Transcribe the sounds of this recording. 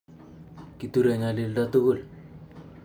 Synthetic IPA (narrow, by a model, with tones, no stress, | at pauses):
ki˨tuɾe˨ŋa˨lɪ˦lda˦tu˦ɣu˦˨l